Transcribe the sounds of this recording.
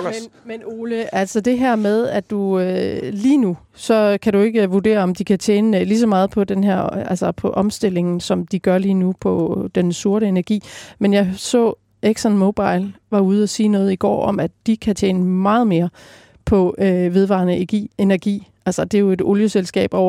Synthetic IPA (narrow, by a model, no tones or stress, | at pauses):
mnmeno̝ːləʔælsɒd̥e̝ɦæɐ̰meðˠæ̥uøliːnu | sɒ̽kʰæɾue̝ɡ̥əʋud̥e̝̰ːɐɒ̽md̥ikʰæt͡ɕʰḛːnəlis̬ɒ̽mɑ̈ːð̩ˠpʰɒ̽d̥enɦæɐ̰ælsɐpʰɒ̽ʔɒ̽msd̥e̝l̰e̝ŋn̩sɒ̽md̥iɡ̥ɶɐliːnupʰɒ̽d̥ensuɐɾəe̝næɐɡ̥ḭːmenjɑ̈ɪsɔ̰̽ː | eɡ̥sɒnmoʊb̥ɑ̈ɪ̰lʋɑ̈uːð̞̩ˠæsiːnɔ̽ːð̞̩ˠiɡ̥ɒ̰ːɒ̽mæd̥ikʰæt͡sʰeːnəmɑ̈ːð̩ˠme̝ːɐ | pʰɒ̽øʋe̝ð̞ˠʋɑ̰̈nəeɡ̥ḭe̝næɐɡ̥ḭːʔælsɐd̥e̝jo̝e̝d̥o̝ljəselsɡ̥ɛ̰ːb̥ɒʊ̰ɐ